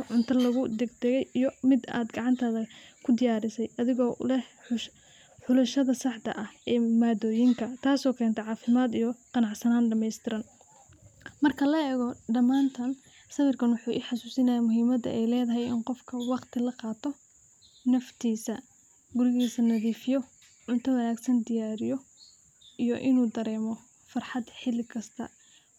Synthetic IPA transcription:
ʕʊnt̪ʰɐlɐɣʊd̪ɛɡ̚d̪ɛɣɛjijɔmɪd̪a̰ːd̪ɡɑʕɑnt̪ʰɐðɐkʰʊd̪ɪjaːɾɪsɛjʔɐðɪɣɔ̰ːlɛhʊ | ħʊlɐʃɐðɐsɑħt̪ʰɐ̰ʔɐhʔɛːmaːd̪ɔːjɪŋkʰɐt̪ʰaːsɔːkʰɛːnt̪ʰɛʕɑːfɪmaːd̪ijɔqɑnɑʕsɐnaːnɖɐmɛjst̪ʰɪɾɐn | mɐrkʰɐlɐɛːɣɔɖɐmaːnt̪ʰɐn | sɐβɪrkʰɐnwʊħuːʔɪħɑsuːsɪnɐjaːmʊɦiːmɐd̪ɐ̰ʔɛjlɛːðɐɦɛjɪnqɔfkʰɐwɑqt̪ʰɪlɐqɑːt̪ʰɔ | nɐft̪ʰiːsɐ | ɡʊɾɪɣiːsɐnɐðiːfɪjɔ | ʕʊnt̪ʰɐðɐnaːɡsɐnd̪ɪjaːɾɪjɔ | ijɔ̰ʔɪnuːd̪ɐɾɛːmɔ | fɐrħɑd̪ħɪlɪkʰɐst̪ʰɐ̰

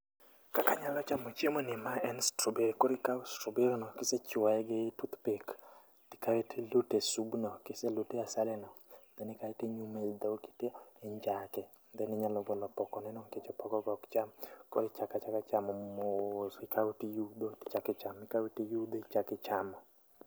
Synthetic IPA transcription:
kakaɲalɔt͡ʃamɔt͡ʃemɔnɪmaɛnstɾobeɾkoɾɪkaʊstɾobeɾnɔkɪset͡ʃwaɛɡɪtut̪pek | tɪ̥kaetilutesubnɔkɪseloteasalɛnɔd̪ɛnɪkaɛteɲumeld̪owki̥teːɲd͡ʒakɛ | nd̪ɛnɪɲalɔɡɔlɔpɔkɔnɛnɔŋket͡ʃɔpɔɡɔɡɔkt͡ʃamko̰ɾɪt͡ʃakat͡ʃakat͡ʃamɔmosɪkawutijud̪otɪ̥t͡ʃakɪt͡ʃamɪkawitijud̪oit͡ʃakɪt͡ʃamɔ

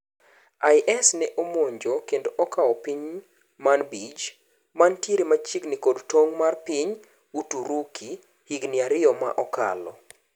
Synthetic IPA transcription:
ajʔɛsnɛʔomoɲd͡ʒokendoʔɔkaɔpiɲ | manbid͡ʒ | mantjeɾemat͡ʃiknikodtoŋmarpiɲ | utuɾukʰi | hiɡnɪaɾɪɔma̰ʔɔka̰lɔ̰

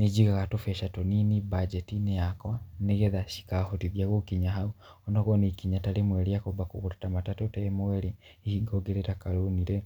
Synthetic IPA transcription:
ned͡ʒiɣaɣatofɛʃatoninibad͡ʒɛtinejakwaneɣɛðaʃi̥kahotiðjaɣokiɲaɦauɔndɔɣɔnikiɲatalemwɛɾiakobakoɣoɾetamatatotɛemoɛɾeihiɡoɡeɾetakaɾoniɾɛ

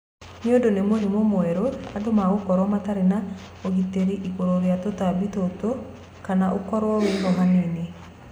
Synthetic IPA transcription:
njodonemoɦemomoɛɾoadomaɣokɔɾwɔmataɾena | oɣiteɾiʔiɣoɾoɾeatotabitoto | kanaʔokɔɾwɔweɣɔɦanene

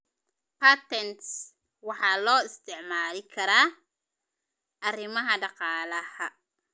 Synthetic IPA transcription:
pʰat̪ɛnt̪s | wɑħɑːlɔːɪst̪ʰɪʕmaːlɪkʰɐɾaː | ʔɐrɪmɐɦɐɖɑqɑːlɐhɐ

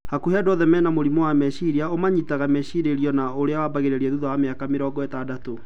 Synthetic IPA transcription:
hakuhɛdɔðɛmɛnamoɾimɔwamɛʃiɾiaomaɲitaɣamɛʃiɾeɾiɔnaoɾeawabaɣeɾeɾiɛðuðawameakameɾɔːɡɔɛtadato

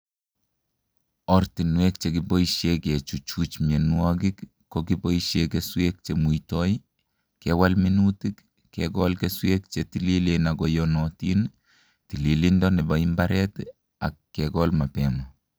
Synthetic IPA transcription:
ɔrtinwek̚t͡ʃekibɔiʃjeket͡ʃut͡ʃut͡ʃmenwɔk̬ik | kːɔkiboiʃjekeswek̚t͡ʃemuitɔj | kɛwalminutikː | ɛkɔlkeswek̚t͡ʃetililenaɡɔjɔnɔtin | tililindɔnɪbaimbaɾɛt | a̰kːɛkɔlmapɛmɔ

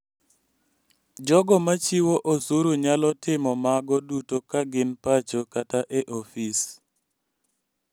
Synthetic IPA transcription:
d͡ʒɔɡɔmat͡ʃiwoʔosuɾuɲalɔtɪmɔmaɡɔdutokaɡɪnpat͡ʃokataʔɛʔofis

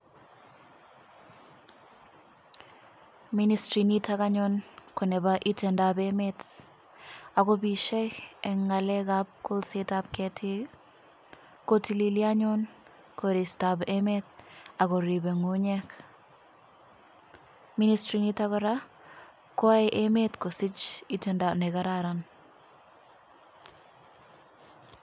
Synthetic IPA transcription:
ministɾinitakaɲɔnkɔnɛbaʔitɛndabemet | akobiʃɛɛŋalɛkap̚kʊlsetap̚kɛtʰɪ | kotililiaɲɔn | koɾistabemet̪̚akɔɾibeŋuɲɛk | ministɾinitakɔɾa | kɔajʔemetkosɪt͡ʃitɛndanɛkaɾaɾan

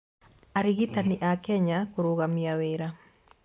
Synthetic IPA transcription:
aɾiɣitaniʔakɛɲakoɾoɣamiaweɾa

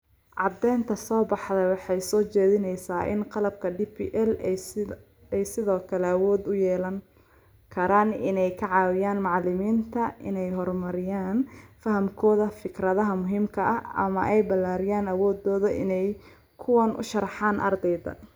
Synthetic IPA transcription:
ʕɑd̪ɛːnt̪ʰɐsɔːbɑħðɛwɑħɑjsɔːt͡ʃɛːðɪnɛjsaːʔɪ̰nqɑlɐb̚kʰɐɖipʰḭʔɛl | ɛjsɪðɔːkʰɐlɛɐwɔːd̪ʊjɛːlɐŋ | kʰɐɾaːnɪ̰nɛjkʰɐʕɑːwɪjaːnmɑʕlɪmiːnt̪ʰɐʔɪ̰nɛjɦɔrmɐɾɪjaːnfɐɦɐmkʰɔːðɐfɪkrɐðɐɦɐmʊɦiːmkʰɐʔɐʔɐ̰mɐʔɛjbɐlːaːɾɪjaːnɐwɔːd̪ɔːðɐʔɪ̰nɛj | kʰʊwɐnʔʊ̰ʃɐrɑħɑːnʔɐ̰rd̪ɛjðɐ̰

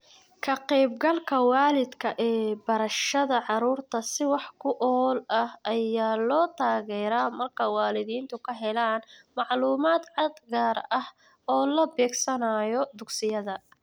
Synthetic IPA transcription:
kʰɐqɛjb̚ɡɐlkʰɐwɑːlɪd̪kʰɐʔɛːbɐɾɐʃɐðɐʕɑɾuːrt̪ʰɐsɪwɑħkʰʊʔɔlɐhɐjaːlɔːt̪ʰaːɣɛːɾaːmɐrkʰɐwaːlɪðiːnt̪ʰʊkʰɐɦɛlaːnmɑʕluːmaːd̪ʕɑd̪ɡaːrɐh | ɔːlɐbɛːɡsɐnaːjɔd̪ʊɡsɪjɐðɐ

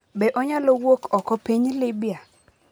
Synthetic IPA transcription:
bɛʔɔɲalɔwokɔkɔpiɲlɪbija

